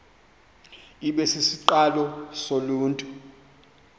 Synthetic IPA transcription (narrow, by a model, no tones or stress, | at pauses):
iɓɛsisiǃalɔsoluːntʼu